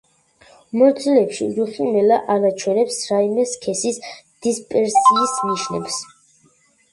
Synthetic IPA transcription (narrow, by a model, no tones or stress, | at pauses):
mɔɾt̪sʰilɛpʃḭzuχinɛlaʔanat͡ʃʰwɛnɛpsɾaimɛskʰɛsisd̪̥ispʼɛɾsiːsniʃnɛ̰ps